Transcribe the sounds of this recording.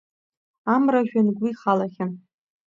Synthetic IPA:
amraʒᶣanɡʷiχalaχʲɪ

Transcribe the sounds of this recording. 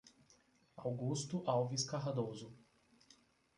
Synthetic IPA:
awɡust̪ʊʔawviskaɦd̪ozʊ

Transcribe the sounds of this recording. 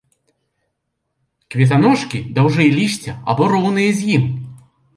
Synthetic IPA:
kvʲɛt̪̬anɔʂkʲid̪awʐɨilʲiʃt͡sʲɐa̰bɔɾɔwnɨjɐzʲjim

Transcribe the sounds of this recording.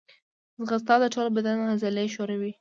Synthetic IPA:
zɣast̪ɑd̪əʈ͡ʂolobad̪anɣazaleʃoɾawi

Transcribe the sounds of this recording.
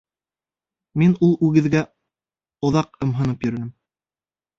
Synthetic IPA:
minulˠʉɡɘ̆ðɡæ | ŏðɑqɤ̆mɦɤ̆nɤpjɵ̆ɾɘ̆nɘm

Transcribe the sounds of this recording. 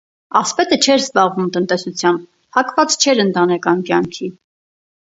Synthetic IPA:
ɑspɛt̪ət͡ʃʰɛɾzbɑʁvumt̪ənt̪ɛsut͡sʰjɑn | hɑkvɑt͡st͡ʃʰɛɾənt̪ɑnɛkɑnkjɑŋkʰi

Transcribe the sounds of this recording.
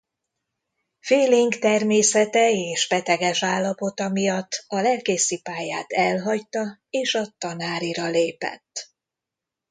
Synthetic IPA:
feːliŋɡt̪ɛrmeːsɛt̪ɛeːʃbɛt̪ɛɡɛʃaːlːɒpo̞t̪ɒmijɒt̪ːɒlɛlkeːsipaːjaːt̪ɛlɦɒct̪ɒeːʃɒt̪ɒnaːɾiɾɒleːpɛ̰t̪ː

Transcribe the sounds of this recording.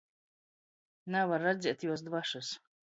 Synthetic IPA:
nɛvaɾːad̪zʲiɛt̪juɔs̬d̪vaʃus

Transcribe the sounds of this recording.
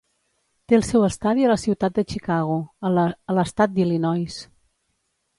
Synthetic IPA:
t̪eəlˠsɛwəst̪aðiələsiwt̪at̪̚d̪ət͡ʃikaɣ̞uələst̪at̪̚d̪ilinɔjs

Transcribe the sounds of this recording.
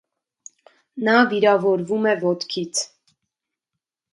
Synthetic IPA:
nɑviɾɑvɔɾvumɛvɔt̪kʰit͡sʰ

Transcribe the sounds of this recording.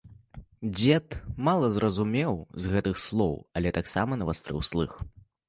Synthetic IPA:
d͡zʲɛt̪malˠɐzrʔɐzumʲɛwzɣɛt̪ɨxslˠɔwɐlʲɛt̪aksamɐnɐvast̪ɾɨ̰wslˠɨ̰x

